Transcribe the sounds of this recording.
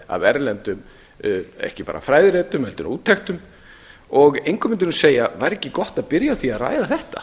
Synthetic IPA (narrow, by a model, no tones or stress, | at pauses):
a̰vɛɾlɛnt̪ʏm | ɛ̰hcɪpa̰ːɾa̰fɾaːjðɪɾɛːt̪ʏmhɛlt̪ʏnuːt̪ʰːɛxt̪ʏm | ɔɣejŋkʰʏmɪnt̪ɪnʏseːjavaɾɛcːɪkɔht̪aðpɪɾjaθiaðra̰ːjðaθɛht̪a̰